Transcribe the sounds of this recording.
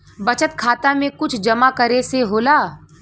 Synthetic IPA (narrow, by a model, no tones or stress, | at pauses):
bɐt͡ʃət̪kʰaːt̪amẽkʊt͡ʃʰd͡ʒɐmakɐɾeseɦoːlaː